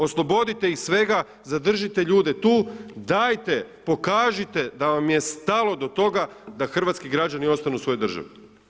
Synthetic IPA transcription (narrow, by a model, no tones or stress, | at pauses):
o̞slˠo̞bo̞d̪it̪e̞ixsʋe̞ɡa | zad̪r̩ʒit̪eʎuːd̪e̞t̪uːd̪aːjt̪e̞po̞kaːʒit̪e̞d̪aʋamije̞st̪alˠo̞d̪o̞t̪o̞ɡad̪axr̩ʋat̪skiɡɾad͡ʑanio̞st̪anusʋo̞jed̪r̩ʒa̰ʋe